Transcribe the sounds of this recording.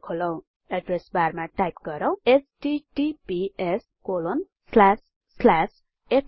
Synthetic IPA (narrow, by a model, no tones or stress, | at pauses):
kʰolʌw̃ | eɖresbarmaʈajp̚ɡʌɾʌw̃esʈiʈipies | kolon | slasː | las | epʰ